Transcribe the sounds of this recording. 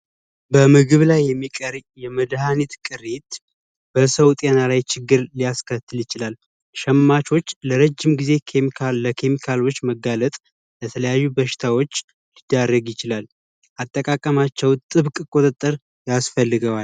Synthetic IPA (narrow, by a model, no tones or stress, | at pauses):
bəmɨɡɨβlajːɛmːikʼəɾjɛməd̪hanit̪kʼɨɾet̪ | b̥əsəwt̪ʼenalajt͡ʃɪɡːɨɾlijaskʰət̪ʰːɨljɪt͡ʃɪlal | ʃɛmːat͡ʃʰo̞t͡ʃːləɾəd͡ʒːɪmɡize̞kʰemikʰaəkʰe̞mikʰalo̞t͡ʃːməɡalət̪ʼ | bət̪ʰələjajːubəʃɪ̥t̪ʰawo̞t͡ʃː | lid̪ːarːəɡjɪt͡ʃɪlal | ʔat̪ʼːəkʼakʼːəmat͡ʃːɛwt̪ʼɨβkʼkʼo̞t̪ʼət̪ʼːəɾ | jasfəlːɨɡəwal